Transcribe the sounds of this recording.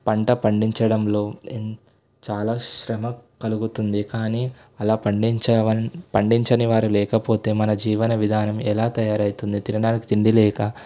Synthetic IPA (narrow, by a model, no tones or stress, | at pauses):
pɐɳʈɐpɐɳɖiɲt͡ʃɐɽɐmlo̞ː | t͡ʃaːlaːʃɾɐmɐkɐluɡut̪und̪ikaːniː | ɐlaːpɐɳɖit͡ʃɐɐpɐɳɖiɲt͡ʃɐniʋaːɾulɛːkɐpo̞ːt̪e̞ːmɐnɐd͡ʒiːʋɐnɐʋid̪ʱaːnɐmɛlaːt̪ɐjaːɾɐjt̪und̪it̪iɾɐɳaːniki̥t̪iɳɖilɛːka